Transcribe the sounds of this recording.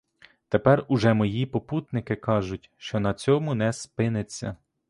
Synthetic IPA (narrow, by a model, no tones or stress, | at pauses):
t̪epɛrʊʒɛmɔjipɔput̪nɪkɪkɑʒʊtʲʃt͡ʃɔnɐt͡sʲɔmʊnɛspɪnet͡sʲːɐ̰